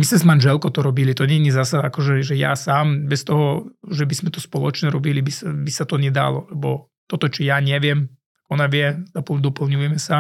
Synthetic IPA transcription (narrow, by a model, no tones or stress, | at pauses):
mismɛzmanʒɛlkɔt̪ɔɾɔbilit̪ɔɲɛɲɛzasaakɔʒɛʒɛja̰saːmbɛst̪ɔɦɔʒɛbizmɛt̪ɔspɔlɔt͡ʃɲɛɾɔbilibisabisat̪ɔɲɛd̪a̰lɔ̰lɛbɔ | t̪ɔt̪ɔt͡ʃɔjaɲɛʋɪɛm | aɡɔnaʋɪɛd̪ɔpl̩d̪ɔpl̩ɲujɛmɛsa